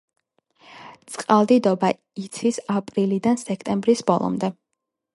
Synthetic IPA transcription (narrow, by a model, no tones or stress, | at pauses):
t̪sʼqʼalˠd̪id̪ɔba | it̪sʰisapʼɾilid̪ansɛkʰt̪ʼɛmbɾisbɔlˠɔ̰md̪ɛ